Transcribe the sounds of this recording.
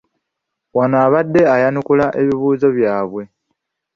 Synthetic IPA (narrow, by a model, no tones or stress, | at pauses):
wanaːβadːe̞ajanukulaʔe̞βiβuːzo̞βjaːβwe̞